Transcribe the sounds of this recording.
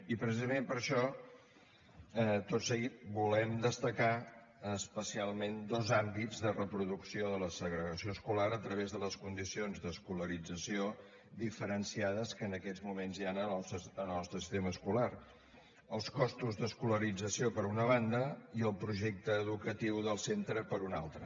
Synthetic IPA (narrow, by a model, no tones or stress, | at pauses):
ipɾəsizəmempəɾʃɔ | ɛt̪otsəɣit̪̚bulɛmd̪əst̪əka | əspəsialˠmend̪ɔzambid͡zðərəpɾuðuksioðələsəɣɾəɣəsioəskulaɾət̪ɾəβezðələskund̪isionzðəskuləɾid͡zəsio | ðifəɾənsiaðəskənəkɛd͡zmumenzjanəənɔst̪ɾəsi̥st̪eməskulaɾ | əlˠskɔst̪uzðəskuləɾid͡zəsiopəɾunəβ̞and̪əiəlˠpɾuʒɛk̚t̪əːðukət̪iwðəlˠsent̪ɾəpəɾuna̰lˠt̪ɾə